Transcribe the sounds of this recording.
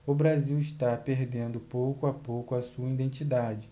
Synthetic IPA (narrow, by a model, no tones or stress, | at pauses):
ʊbɾaziwiʃt̪apeɾd̪ẽnd̪ʊpowkʊapowkʊasuɐid̪ẽnt͡ʃid̪ad͡ʒɪ